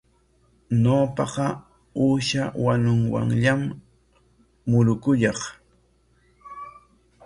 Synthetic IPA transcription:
ɲoːpɑqɑ | uːʃawanʊŋwa̰ŋʎam | ʊɾʊkʊʎɑχ

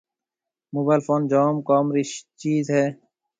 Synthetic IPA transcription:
muːbaːlfoːnd͡ʒoːmkɔːmɾit͡ʃiːzɦɛː

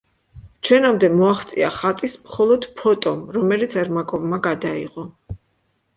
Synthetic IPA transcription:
t͡ʃʰwɛnamd̪ɛmɔaχt̪sʼia̰χat̪ʼismχɔlˠɔd̪pʰɔt̪ʼɔmɾɔmɛlit̪sʰɛɾmakʼɔvmaɡad̪aḭʁɔ

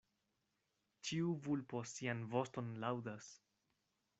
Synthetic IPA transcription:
t͡ʃiuvulpo̞sianvo̞sto̞nlawdas

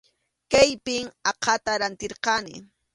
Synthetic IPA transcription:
kajpɪŋɑqɑt̪aɾant̪ɪɾqɑnɪ̰

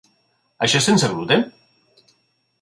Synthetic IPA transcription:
aʃɔsenseɣɾut̪e

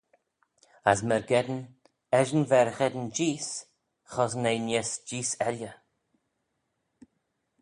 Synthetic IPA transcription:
a̰smɛɹɡɛd̪ən | ɛʒənvɛɾxɛd̪ənd͡ʒiːs | xɔsnejnesd͡ʒiːsɛlʲjə

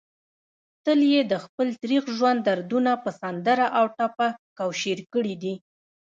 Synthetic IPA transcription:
t̪əljed̪əxpəlt̪ɾixʒwand̪ːaɾd̪unapəsand̪əɾaʔawʈapakawʃeɾkəɽid̪i

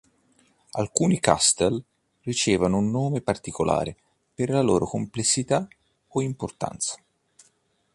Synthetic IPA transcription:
alkuːnika̰st̪el | rit͡ʃɛːvanounːoːmepart̪ikolʔa̰ːɾe | perlalo̰ːɾokomplesːit̪a | oimport̪a̰nt̪sḁ

